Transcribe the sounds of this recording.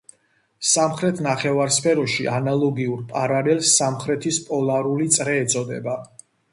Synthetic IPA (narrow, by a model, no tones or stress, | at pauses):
samχɾɛt̪ʰnaχɛvaɾspʰɛɾɔʃiʔanalˠɔɡiuɾpʼaɾalɛlsːamχɾɛt̪ʰispʼɔlaɾulit̪sʼɾɛːt̪sʼɔd̪ɛ̰ba